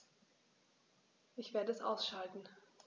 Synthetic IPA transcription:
ʔɪçv̥eːɐdəɛsʔa̰ʊsʃaltn̩

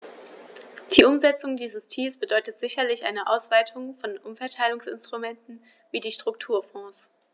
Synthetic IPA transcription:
d̥iːʔʊmzɛt͡sʊŋdiːzəst͡siːlsb̥ədɔʏtətz̥ɪçɐlɪçʔa̰ɪnəʔaʊsv̥aɪtʰʊŋfɔnʔʊmfɛɐtʰaɪlʊŋsɪ̰nstʁ̥umɛntn̩ | viːdiːʃtʁ̥ʊktʰuːɐfɔ̃ːs

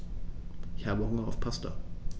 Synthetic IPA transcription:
ʔɪçhaːbəhʊŋɐaʊfpʰastɐ̰

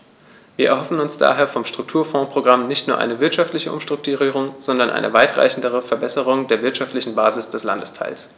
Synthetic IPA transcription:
viːɐʔɛɐɦɔfn̩ʊnsd̥a̰ːɦeːɐfɔmʃtʁ̥ʊk̚tʰuːɐfɔ̃ːpʁ̥oɡʁamnɪçtnuːɐʔa̰ɪnəvɪɐtʃaftlɪçəʔʊ̰mʃtʁ̥ʊk̚tuʁiːʁ̞ʊŋz̥ɔndɐnʔa̰ɪnəvaɪtʁ̥a̰ɪçn̩dəʁ̞əfɛɐbɛsəʁ̞ʊŋdeːɐvɪɐtʃaftlɪçn̩baːzɪsd̥ɛsla̰ndəstʰa̰ɪls

